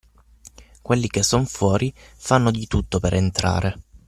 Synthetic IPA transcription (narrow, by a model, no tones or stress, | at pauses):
kwelːikesːonfwɔːɾifanːod̪it̪ut̪ːopeɾʔent̪ɾa̰ːɾe